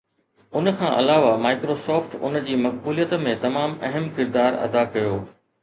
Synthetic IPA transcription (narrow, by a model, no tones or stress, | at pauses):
ʊn̆kʰãːʔɐlaːʋamaːɪkɾoːsɔːfʈʊ̰nd͡ʑiːmɐk̚buːlijət̪mẽt̪ɐmaːmɐɦəmkɪɾd̪aːɾɐ̰d̪akɐjoː